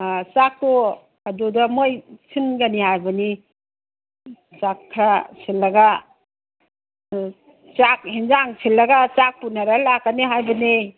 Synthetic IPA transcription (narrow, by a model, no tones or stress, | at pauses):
sak̚to | kadudamojsʰinɡanihajbɐni | sakʰːɾasʰilːɐɡa | t͡ʃak̚hinzaŋsʰilːɐɡat͡ʃak̚punaɾalakːaniɦajbɐni